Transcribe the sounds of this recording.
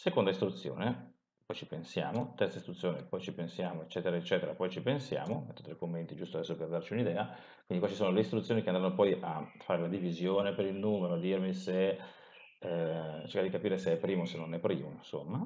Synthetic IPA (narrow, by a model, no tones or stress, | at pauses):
sekond̪aist̪ɾut̪sːjo̰ːne | pɔjt͡ʃipensja̰ːmot̪ɛrt̪saist̪ɾut̪ːjoːnepɔjt͡ʃipensjaːmoet͡ʃːɛːt̪eɾaet͡ʃːɛːt̪eɾapɔjt͡ʃipensja̰ːmomɛt̪ːot̪ɾekːomːent̪id͡ʒust̪oad̪ɛsːoperd̪art͡ʃiunid̪ɛːa | kwind̪ikwat͡ʃisoːnoleist̪ɾut̪sːjoːnikeand̪ɾanːopɔjʔafːaːɾelad̪ivizjoːnepeɾilnuːmeɾoad̪irmise | t͡ʃekːad̪ikapiːɾeseɛpːɾiːmosenːonɛpːɾiːmonsomːa